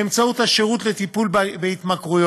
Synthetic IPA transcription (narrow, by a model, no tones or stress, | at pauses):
emt͡saut̪haʃeʁut̪le̞t̪ipulbbehit̪makʁujo